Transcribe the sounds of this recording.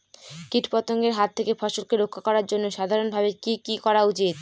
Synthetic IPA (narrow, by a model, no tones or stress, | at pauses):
kiʈpɔt̪oŋɡeɾɦat̪ʰːekefɔʃolkeɾokʰːakɔɾaɾd͡ʑonːoʃad̪ʱaɾonbʱabekikikɔɾaut͡ɕit̪̚